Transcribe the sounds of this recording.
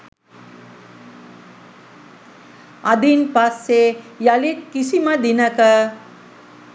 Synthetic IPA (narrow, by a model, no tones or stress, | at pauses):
ad̪inpasːejalit̪̚kisiməd̪inəkə